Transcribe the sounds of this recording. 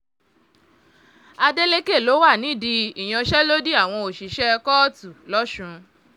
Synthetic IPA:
a˧de˦le˦ke˦˨lo˨˦wa˦˨nĩ˨˦˨di˧i˨j̃ã˧ʃɛ˦lo˦di˦a˦˨w̃ɔ̃˧o˨ʃi˨ʃɛ˦kɔ˦tu˨lɔ˦ʃũ˧

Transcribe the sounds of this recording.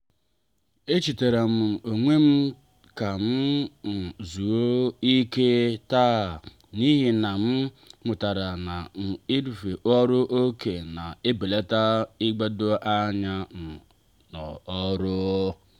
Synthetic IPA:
e˦t͡ʃi˨te˨ɾe˨m̩˨o˨ŋʷe˦m̩˦ | ka˨m̩˦n̩˨zu˨o˦i˦ke˦ta˦˨ | ni˦ɦi˨na˨m̩˦ | mʊ˨ta˨ɾa˨na˨n̩˨i˦du˨fe˨ʔɔ˦ɾʊ˦ʔo˦ke˨na˨e˦be˨le˦ta˦i˦ɡ͡be˦do˦ʔa˦ɲa˦n̩˨ | nɔ̰˨ɔ˦ɾʊ˦

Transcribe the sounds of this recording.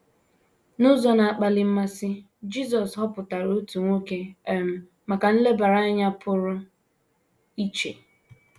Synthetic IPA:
nʊ˦zɔ˨na˨a˨k͡pa˨lɪ˨m̩˦ma˦sɪ˦ | d͡ʒi˦z̬ɔ˨sɦɔ˦pʊ˨ta˨ɾo˦tu˨ŋʷo˦ke˦e˦˨m̩˨ | ma˨ka˨n̩˦le˦ba˨ɾa˦a˦ɲa˦pʰʊ˦ɾʊ˦ | i˦t͡ʃe˨

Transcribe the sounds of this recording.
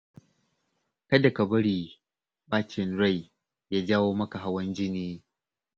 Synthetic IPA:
kɐ˦da˨kɐ˨bɐ˦ɽiː˨ | baː˦t͡ʃɪ˨nɾa˦˨j | jaː˦d͡ʒaː˦woː˦mɐ˦ka˨ɦa˦wɐ˦nd͡ʒɪ˦niː˦

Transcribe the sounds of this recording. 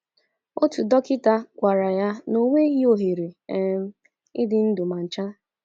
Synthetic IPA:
o˦tu˨dɔ˦kɪ˦ta˦kʷa˨ɾa˨ja˦no˦ŋʷe˦ɣi˦o˨ɦe˨ɾe˨e˦˨m̩˦ | ɪ̰˦dɪ˨n̩˦dʊ˨ma˨n̩˨t͡ʃa˦

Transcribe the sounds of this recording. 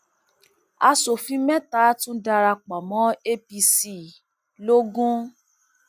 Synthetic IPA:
a˧so˨fĩ˦mɛ̃˦ta˦tũ˦da˧ɾa˧k͡pɔ˨mɔ̃˦e˦pi˧si˨ | lo˦ɡũ˦

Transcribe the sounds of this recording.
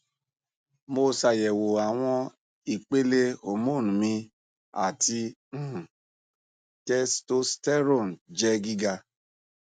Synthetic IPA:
mo˦sa˨je˨wo˨a˨w̃ʷɔ̃˦ | i˨k͡pe˦le˦o˨mo˦˨nũ˨mĩ˦ | a̰˨ti˦˨ | tɛ˦sto˦stɛ˦ɾɔ˦˨n̩˨d͡ʒɛ˦ɡi˦ɡa˧

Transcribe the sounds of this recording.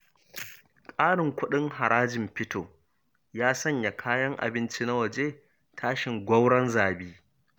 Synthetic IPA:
kʼaː˦ɽɪ˨ŋkʷʊ˦ɗɪ˦ŋɦa˨ɽaː˦d͡ʒɪ˨mɸɪ˦tʰoː˨ | jaː˦sɐ˦˨ɲja˨kʰaː˦jɐ˦ŋʔa̰˨bɪ˦nt͡ʃi˦na˦wɐ˨d͡ʒe˦ | tʰaː˦ʃɪ˨ŋɡʷɐ˦wɽɐ˦nzaː˨biː˦

